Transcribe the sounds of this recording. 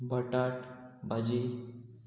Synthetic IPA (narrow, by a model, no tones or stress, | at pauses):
bəʈaʈbad͡ʑi